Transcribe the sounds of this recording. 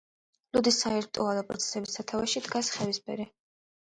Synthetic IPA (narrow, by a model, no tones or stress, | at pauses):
lud̪isaiɾt̪ʼualˠɔpʼɾɔ̰t̪sʰɛ̥sɛbisːat̪ʰavaʃid̪ɡasχɛvispʰɛ̰ɾi